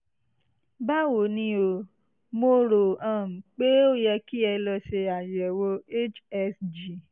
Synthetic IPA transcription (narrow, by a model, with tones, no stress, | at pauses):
ba˦wo˨˦nĩ˧˦o˧˨ | mo˧ɾo˨ã˨m̩˨k͡pe˦o˦jɛ˧ki˦ɛ˧lɔ˧ʃe˧a˨jɛ˨wo˧e˦t͡ʃɛ˧sd͡ʒi˨